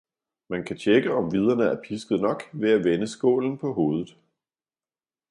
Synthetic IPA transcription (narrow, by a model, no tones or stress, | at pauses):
mænkʰæt͡ɕʰeɡ̥əɒ̽mʋið̞ˠɐnəæɐpʰisɡ̥ð̩ˠnɒ̽ɡ̥ʋeæʋenəsɡ̥o̝̰ːln̩pʰɒ̽ɦo̝ːð̞ˠð̩ˠ